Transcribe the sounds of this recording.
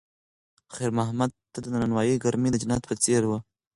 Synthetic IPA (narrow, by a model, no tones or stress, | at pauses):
xeɾmaɦmad̪̚t̪ːad̪ənananwɑjiɡaɾmed̪əd͡ʒanɑt̪pət͡seɾwə